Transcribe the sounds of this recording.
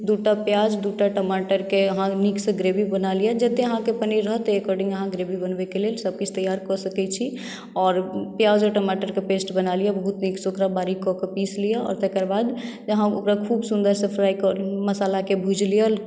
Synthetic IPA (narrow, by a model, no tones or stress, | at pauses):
d̪uʈapjad͡ʒd̪uʈaʈəmaʈəɾkeəɦãniksə̃ɡɾebibənalijəd͡ʒət̪eəɦãkepəniɾəɦt̪ɔekɔɾɖĩŋɡəɦãɡɾebʱibənbekelelsəb̚kit͡ʃʰt̪əjaɾkɔsəkɛt͡ʃʰi | ɔːɾpjad͡ʒɔʈəmaʈəɾkepesʈbənalijɛbəɦut̪niksokɾabaɾikɔkepislijɛɔ̰ːɾt̪ekəɾbad̪ | əɦão̰kɾakʰubsund̪əɾsəpʰɾajkɔməsalakebʱud͡ʒlijəl